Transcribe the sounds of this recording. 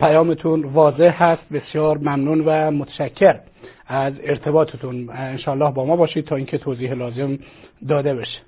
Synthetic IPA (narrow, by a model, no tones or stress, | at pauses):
pʰæjɒːmet̪ʰunvɒːze̞hhæst̪̚besjɒːɾmæmnuːnvæmot̪ʰæ̥ʃæcʰːeɾ | æzeɾt̪ʰe̞bɒːt̪ʰet̪ʰunenʃɒːælːɒːhbɒːmɒːbɒːʃiːd̪̚t̪ʰɒːiːŋcʰet̪ʰoːziːɦelɒːzemd̪ɒːd̪e̞beʃe̥